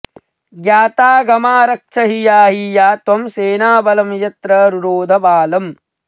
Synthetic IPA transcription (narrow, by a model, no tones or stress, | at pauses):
ɡjaːt̪aːɡɐmaːɾɐk̚ʃʰɐɦijaːɦijaːt̪wɐmseːnaːbɐlɐmjɐt̪ɾɐɾuɾoːd̪ʱɐbaːlɐm